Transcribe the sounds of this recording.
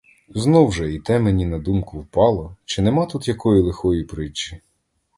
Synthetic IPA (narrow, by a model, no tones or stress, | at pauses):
znɔwʒɛit̪ɛmenʲinɐd̪umkʊwpɑlˠɔt͡ʃɪnɛmɑt̪ut̪jɐkɔjilˠexɔjipɾɪt͡ʃːɪ̥